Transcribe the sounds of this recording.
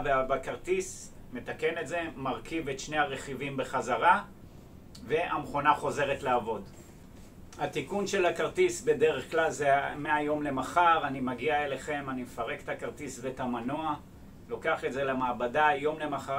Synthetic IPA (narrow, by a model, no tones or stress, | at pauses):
veabakaʁt̪is | me̞t̪ake̞netze̞maʁkivetʃne̞haʁe̞χivimbe̞χazaʁa | ve̞ʔamχo̞naχo̞ze̞ʁetlaːvo̞d | hat̪ikunʃe̞lhakaʁt̪isbe̞de̞ʁe̞χklalzemeajo̞mle̞maχaʁanimaɡiaeleχe̞manimefaʁe̞ke̥t̪akaʁt̪isbetamanoa | lo̞keaχe̞tze̞lemaːbadajo̞mle̞maχa